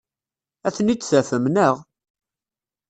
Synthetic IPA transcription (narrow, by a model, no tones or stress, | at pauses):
æθənit͡sːθæfəmnəʁ